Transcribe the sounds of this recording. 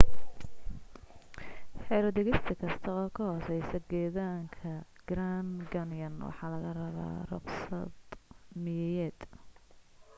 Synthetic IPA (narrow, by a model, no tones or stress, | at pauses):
ħɛːɾɐd̪ɛɣɪst̪ʰɐkʰɐst̪ʰɐɔːkʰɐhɔsɛjsɐɡɛːðaːŋkʰɐ | ɡ̥ɾanɡɐnjɐnwɑ̰ħɑːlɐɣɐrɐβa̰ːrʊ̰qsɐ̰d̪mɪjɛjɛːd̪̥